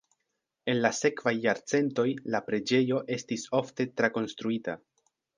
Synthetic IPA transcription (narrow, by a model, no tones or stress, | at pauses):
e̞nlase̞kvajːaɾt͡se̞nto̞jlapɾe̞d͡ʒe̞jo̞ʔe̞stiso̞fte̞tɾako̞nstɾuita